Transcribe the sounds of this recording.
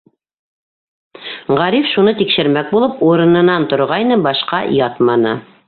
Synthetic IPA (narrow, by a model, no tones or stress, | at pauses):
ʁæɾifʃunɤt̪ikʃɘ̆ɾmæk̚bulˠɤpuɾɤ̆nɤ̆nɑnt̪ŏɾʁɑjnɤbɑʃqɑjɑt̪mɑnɤ̰